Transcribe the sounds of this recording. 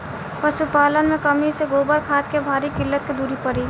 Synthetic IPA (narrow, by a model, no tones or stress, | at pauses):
pəsupaːlənmekəmiseɡobəɾkʰat̪kebʱaːɾikɪlːət̪ked̪uɾipəɾi